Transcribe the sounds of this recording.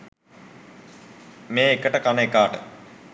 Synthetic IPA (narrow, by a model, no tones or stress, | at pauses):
meːekəʈəkanəekaːʈə̰